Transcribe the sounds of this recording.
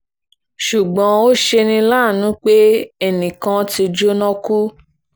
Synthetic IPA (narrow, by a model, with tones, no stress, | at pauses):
ʃu˨ɡ͡bã˨˦o˦ʃe˧nĩ˧la˦˨nũ˨˦k͡pe˦ɛ˦˨nĩ˨kã˧ti˧d͡ʒo˦nɔ̃˦ku˦